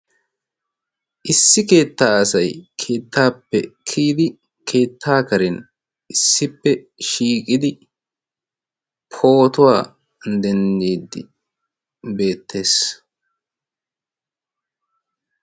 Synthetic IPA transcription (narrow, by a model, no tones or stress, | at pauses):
ʔɪsːɪke̞ːt̪ːaːɐsɐjkʰe̞ːt̪ːaːpːɛkʰiːd̪ɪ | kʰe̞ːt̪ʰːaːkɐɾɛn | ʔɪsːɪpːɛ | ʃiːkʼɪd̪ɪ | pʰo̞ːt̪ʊwaː | d̪ɛnd̪iːd̪ːɪ | be̞ːt̪ʰːe̞ːs